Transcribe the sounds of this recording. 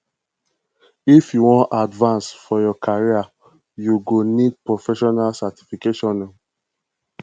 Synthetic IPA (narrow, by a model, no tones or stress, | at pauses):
ifjuwɔ̃ntadvãnsfɔjɔkʰaɹia | juɡonid̚pɹofɛʃɔnalsati̥fikeʃɔ̃nːã